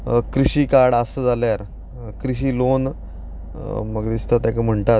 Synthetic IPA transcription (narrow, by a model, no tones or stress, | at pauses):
kɾiɕiːkaɽəsəd͡zʱaljaɾ | kɾiɕ̬iːlon | məɡd̪ist̪at̪jãkəm̤əɳʈ̪at̪